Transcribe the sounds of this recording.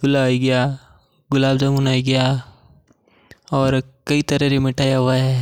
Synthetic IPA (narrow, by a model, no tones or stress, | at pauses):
ɡʊlaːiɡɐjaː | ɡʊlaːbd͡ʒɐmuːnaːiɡɐjaː | ɔːɾkɐit̪ɐɾeɾemɪʈaːjaɦʊaɦɛː